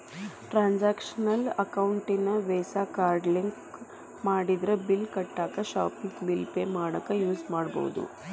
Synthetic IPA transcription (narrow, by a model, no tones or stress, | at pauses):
ʈɾaːnd͡ʒaːkʂɐnɐlɐkɐwuɳʈinɐʋɛːsaːkaːɾɖliŋk | maːɽid̪ɾɐbilkɐʈːaːkɐʃa̰ːpiŋɡbilpeːmaːɽɐkːɐjuːsmaːɽbo̰wṵd̪ṵ